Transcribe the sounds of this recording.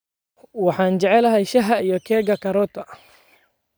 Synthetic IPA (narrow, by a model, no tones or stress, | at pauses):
wɑħɑːnd͡ʒɛʕɛlɐɦɛjʃɐɦɐijɔkʰɛːɡɐkʰɐɾɔːt̪ʰɐ